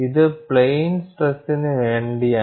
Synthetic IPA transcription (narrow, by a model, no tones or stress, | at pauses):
iðɨpɭejnsʈresinːɨʋeːɳɖija